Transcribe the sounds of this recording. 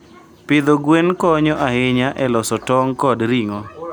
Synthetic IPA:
pɪd̪oɡwenkɔɲɔʔaɦɪɲaʔɛlɔsɔtɔŋkɔdɾiŋɔ

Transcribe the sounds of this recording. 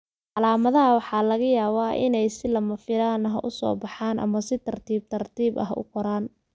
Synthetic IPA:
ʕɑlaːmɐðɐɦɐwɑħɑːlɐɣɐjaːβaːʔɪ̰nɛjsɪlɐmɐfɪɾaːnɐɦɐ̰ʔʊsɔ̰ːbɑħaːnʔɐ̰mɐsɪt̪ʰɐrt̪ʰiːb̚t̪ʰɐrt̪ʰiːbɐ̰ɦʔʊ̰qɔɾaːn

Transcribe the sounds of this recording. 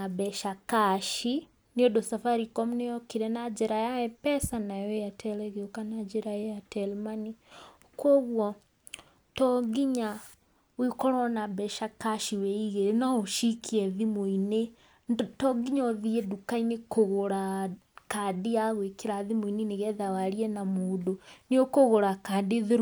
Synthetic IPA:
abɛʃakaʃi | niodosafaɾikɔmnejɔkiɾɛnad͡ʒɛɾajaɛpɛsanajɔejatʰɛlɛɣeokanad͡ʒɛɾaɛjatʰɛlmani | kwɔɣwɔ | tɔɣiɲa | wikɔɾwɔnabɛʃakaʃiwɛiɣeɾenaoʃikʰiɛðimoine | tɔɡiɲɔðiɛdukainekoɣoɾakadiaɣwekeɾaðimoineneɣɛðawaɾiɛnamoːdoneokoɣoɾakadeðeɾ

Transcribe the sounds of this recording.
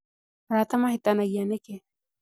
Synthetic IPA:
ɾat̪amaɦit̪anaɡianeke

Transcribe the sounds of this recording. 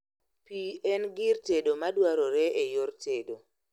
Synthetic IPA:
piɛnɡɪrtedomadwaɾoɾɛʔejortedo

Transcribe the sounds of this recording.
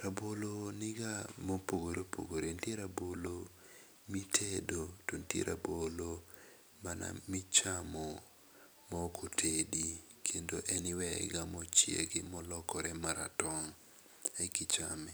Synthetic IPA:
ɾabolonɪɡamopoɡoɾopʰo̰ɡoɾentjeɾabolo | mitʰedotontjḛɾʔa̰bolo | mana̰mit͡ʃamɔ | mɔkʰotʰedi | kʰendoʔɛnɪwɛɡamɔt͡ʃjḛɡɪmɔlɔkɔɾɛmaɾa̰tɔŋ | ɛkɪt͡ʃamɪ

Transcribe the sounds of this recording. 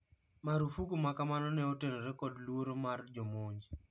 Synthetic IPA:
maɾufukumakamanɔnɛotenoɾekɔdlwoɾomard͡ʒomoɲd͡ʒ

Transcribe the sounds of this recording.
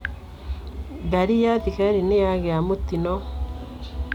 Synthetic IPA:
ɡaɾijaðikaɾinejaɣeamot̪inɔ

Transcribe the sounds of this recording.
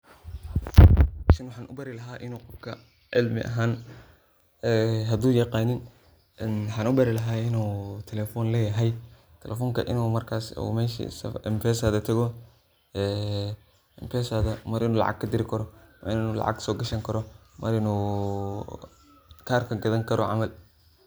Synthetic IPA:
ʃɐnwɑħaːnʔʊbɐɾɪlɐɦaːʔɪnuːqɔfkʰɐ | ʕɪlmɪ̰ʔɐ̰ɦaːn | ɛːɦɐd̪uːjɐqɑːnɪn | nwħɑːnʊbɐɾɪlɐɦaːɪnuːt̪ʰɛlɛːfɔːnlɛːjɐɦɛj | t̪ʰɛlʔɛfɔːŋkʰɐ̰ʔɪ̰nuːmɐrkʰaːsṵmɛːʃḭsɐ̰ɛmpʰɛːsɐðɐt̪ʰɐɣɔ | ɛː | ɛmpʰɛːsaðɐmɐɾɪnuːlɑ̰ʕɑ̰ɡ̚kʰɐd̪ɪɾɪkʰɐɾɔmɐɾɪnnuːlɑ̰ʕɑ̰ɡsɔːɡɐʃɐŋkʰɐɾɔmʔɐɾɪnuː | kʰaːrkʰɐɡɐðɐŋkʰɐɾɔʕɑ̰mɐl

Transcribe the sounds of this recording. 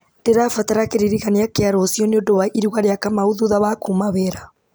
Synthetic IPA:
teɾafataɾakeɾiɾiɣaneakeaɾosjɔneondoβaʔiɾuɣaɾeakamauðuðaβakumaβeɾa

